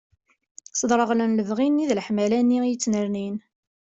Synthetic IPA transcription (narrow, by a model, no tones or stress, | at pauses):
sˤəd̪ɾˤəʁlənləvʁinːiðlħmælænːijət͡sːnəɾnin